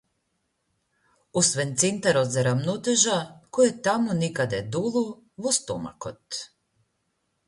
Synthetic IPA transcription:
usʋɛnt̪sent̪aɾod̪zɛɾamnɔt̪ɛʒakojɛt̪amonikad̪ɛd̪ulˠu | vɔst̪ɔma̰kot̪

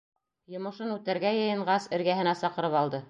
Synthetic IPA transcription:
jŏmɤ̆ʃɤnʉt̪æɾɡæjɤ̆jɤ̆ɴʁɑsɘ̆ɾɡæɦɘ̆næsɑqɤ̆ɾɤpɑlˠd̪ɤ

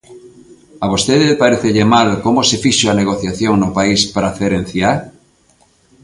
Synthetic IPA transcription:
aβost̪eðepaɾeθeʎemalkomosefiʃoaneɣoθjaθjoŋnopaispɾaθeɾen̟θja

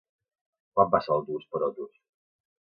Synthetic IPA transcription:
kwat̪̚basalˠd̪uspəɾɔd̪us

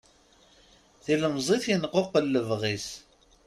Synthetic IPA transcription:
θiləmzˤiθjinqːoqəlːəvʁis

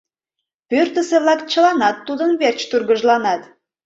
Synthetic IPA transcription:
pørt̪ə̆seβlˠɑkt͡ɕə̆lɑnɑt̪ːud̪ənβert͡ɕt̪urɣə̆ʒlˠɑnɑt̪

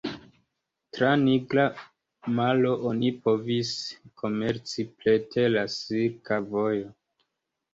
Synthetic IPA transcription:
tɾaniɡɾa | malo̞ʔonipo̞viskʰo̞me̞ɾt͡siple̞tʰe̞lasiɾkavo̞jo̞

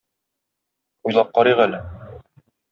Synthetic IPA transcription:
ujlˠɑp̚qɒɾiʁælɘ

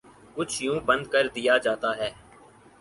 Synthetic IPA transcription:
kʊt͡ʃʰjũːbɐ̃nd̪kəɾd̪ɪjad͡ʒaːt̪aɦɛː

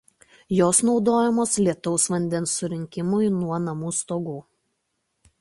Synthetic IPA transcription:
joːsnɒʊd̪oːjɛmoːslʲiɛt̪ɔʊsʋɐnʲd̪ʲɛnsːʊɾʲɪŋʲkʲɪmʊjnuɔnɐmuːst̪oːɡuː

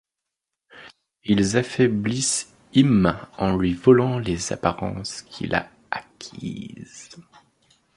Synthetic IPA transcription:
ilzafɛblis | imɑ̃lɥivɔlɑ̃leza̰paʁɑ̰̃skʲʰḭlʔa̰ | akʲʰḭz̥

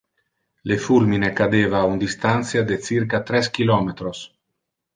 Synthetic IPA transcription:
lefulminekad̪eːvaund̪ist̪ant̪sjad̪et͡siɾkat̪ɾɛskilɔmet̪ɾos

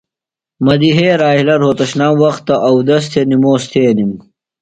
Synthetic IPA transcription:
mɐd̪iɦeːɾaːilɐɾɦoːt̪ɐɕnaːwɐxt̪ːɐʔɐwd̪ɐs̬t̪ʰenimoːst̪ʰeːnim

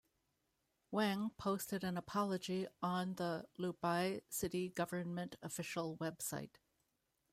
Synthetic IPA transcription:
wɛ̃ŋpʰoʊstɨɾɨ̃nəpʰɑlˠəd͡ʒiə̃nðəlubaɪsɪɾiɡʌvə˞nmɨ̃ntɨfɪʃl̩ˠwɛb̥sa̰ɪt̚

